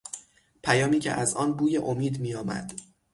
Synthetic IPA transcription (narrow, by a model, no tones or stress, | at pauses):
pʰæjɒːmiːcʰḛʔæzɒːnbuːjeʔomiːd̪miːjɒːmæ̰d̪̥